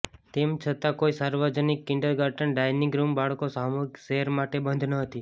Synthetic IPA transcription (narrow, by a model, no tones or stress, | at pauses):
t̪emt͡ʃʰət̪ãkoisaɾʋəd͡ʒənikːɪɳɖəɾɡəɾʈənɖajniɡɾumbaɭkosamoikseɦəɾmaʈebənd̪ʱnəɦət̪i